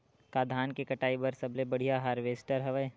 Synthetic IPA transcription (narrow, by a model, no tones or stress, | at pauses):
kaːd̪ʱaːnkekɐʈaːibəɾsɐblebɐɽ̤ijaɦaːɾʋeːsʈəɾɦɐʋə